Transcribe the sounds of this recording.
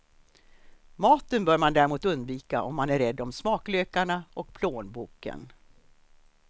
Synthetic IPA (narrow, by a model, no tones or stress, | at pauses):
mɑːt̪ənbœːɾmand̪æːɾɪmuːt̪ɵnd̪viːkaʔɔmːanæɾːɛd̪ːɔmsmɑːkløːkaɳaʔɔk̚pʰloːnbuːkə̰n